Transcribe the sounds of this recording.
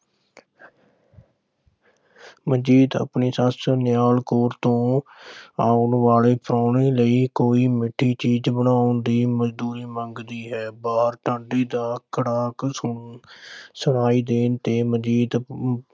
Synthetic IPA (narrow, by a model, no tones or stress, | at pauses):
məd͡ʒiːd̪ə̰pɳeːsəsənjaːlkoːɾt̪õː | aːʊnʋaːleːpɾaːɳeːləiːkoːiːmɪʈʰːiːt͡ʃiːd͡ʒbənaːond̪iːməd͡ʒd̪uːɾiːməŋɡd̪iːɦɛːbaːɦəɾʈəɳɖiːd̪aːkəɽaːk | səɽaːiːd̪eːnt̪eːməd͡ʒiːd̪